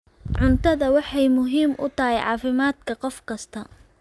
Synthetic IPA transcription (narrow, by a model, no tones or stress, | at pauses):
ʕʊnt̪ʰɐðɐwɑħɑjmʊɦiːmʔʊ̰t̪ʰɐɦɛjʕɑ̰ːfɪmaːd̪kʰɐqɔfkʰɐst̪ʰɐ